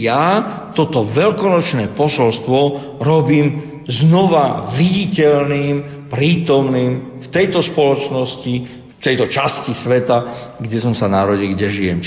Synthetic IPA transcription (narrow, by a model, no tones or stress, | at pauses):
jat̪ɔt̪ɔʋɛlkɔnɔt͡ʃnɛːpɔsɔlst̪ʋɔ | ɾɔbiːm | znɔʋaʋiɟicɛʎniːm | pɾiːt̪ɔmniːm | ft̪ɛjt̪ɔspɔlɔt͡ʃnɔsci | ft̪ɛjt̪ɔt͡ʃascisʋɛt̪a | ɡɟɛsɔmsanaɾɔɟilɡɟɛʒijɛm